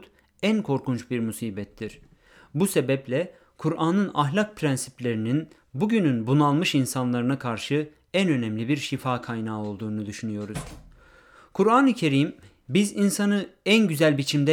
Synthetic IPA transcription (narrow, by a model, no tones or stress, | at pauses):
t̪ | ænkʰo̞ɾkunt͡ʃbiɾmusiːbɛt̪ʰːiɾ̥ | buse̞bɛplʲɛ | kʰuɾʔaːnɯnaɦlʲak̚pʰɾænsiplʲe̞ɾinin | buɟynynbunalˠmɯʃinsanlˠaɾɯnakʰaɾʃɯ | ænø̞nɛmlʲibiɾʃifaːkʰajnaːo̞lˠd̪uːnud̪yʃynyjo̞ɾuz̥ | kʰuɾaːnɯcʰe̞ɾim | bizinsanɯænɟyzælʲbit͡ʃʰimd̪ɛ